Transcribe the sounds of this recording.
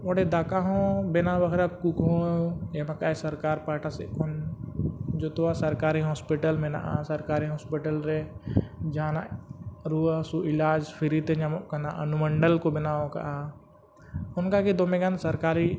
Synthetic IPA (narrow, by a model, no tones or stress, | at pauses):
oɽed̪aːkaɦõbenãʋəkʰɾakukõemakaesəɾkaːɾpaːʈasekʰon | d͡ʒot̪oasəɾkaːɾiɦɔːspiʈəlmẽna̰ʔa̰sɐɾkaːɾiɦɔːspiʈəlɾe | d͡ʒãːnaɾuəsuɪlaːd͡ʒpʰɪɾit̪eɲamkanaʔənuməɳɖəlkobɪnaõka̰ʔa | ʊnkaked̪oːmẽɡansɐɾkaːɾi